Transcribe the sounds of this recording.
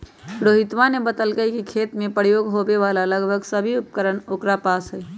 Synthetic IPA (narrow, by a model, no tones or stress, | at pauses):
ɾoɦit̪ʋanebət̪əlɡəikikʰet̪mẽpəɾjoɡɦobeʋalaləɡbʱəɡsəbʱiup̚kəɾənokɾapaːsɦɛː